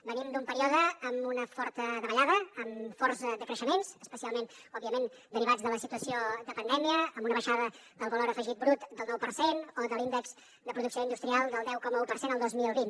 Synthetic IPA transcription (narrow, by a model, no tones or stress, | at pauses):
bənimd̪umpəɾiɔðəːmunəfɔɾt̪əðəβəʎaðəːmfɔrzd̪əkɾəʃəmensəspəsialˠmenɔbiəmen | d̪əɾiβad͡zðələsit̪uəsiod̪əpənd̪ɛmiəːmbunəβəʃaðə | d̪əlˠβəloɾəfəʒit̪̚bɾut̪d̪əlˠnɔwpərsenoðəlˠind̪ɛkz̥ | d̪əpɾuðuksioind̪ust̪ɾialˠd̪əlˠd̪ɛwkɔməupərsenəlˠd̪ozmilˠβin